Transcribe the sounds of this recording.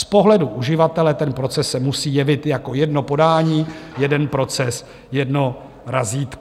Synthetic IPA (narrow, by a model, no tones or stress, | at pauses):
spo̞ɦlɛduʔuʒɪvat̪ɛlɛt̪ɛnpɾo̞t͡sɛsːɛmusiːjɛvɪt̪jako̞jɛdno̞po̞daːɲiːjɛdɛnpɾo̞t͡sɛs | jɛdno̞ | ɾaziːt̪k